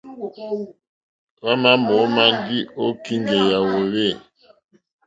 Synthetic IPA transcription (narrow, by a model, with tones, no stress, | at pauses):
ɣa˦ma˦mɔ˨˦ma˦ndi˦o˦ki˦ŋɡɛ˨ja˨wo˨βe˦˨